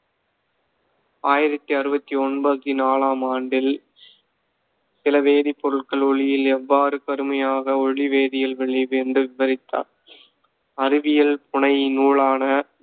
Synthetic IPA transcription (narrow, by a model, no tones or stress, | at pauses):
aːjɪɾɐt̪ːiɐɾɯbɐt̪ːiɔnbɐt̪ːinaːlaːmaːɳɖɪl | sɪlɐʋeːðipːɔɾɯʈkɐɭɔɭɪjɪlɛʋːaːɾɯkɐɾɯmɐjaːɣɐɔɻiʋeːðɪjɐlʋɛɭːɪʋɛndrɯʋɪʋɐɾɪt̪ːa̰ːn | ɐrɪʋɪjɐlpʊɳɐɪnuːɭaːnɐ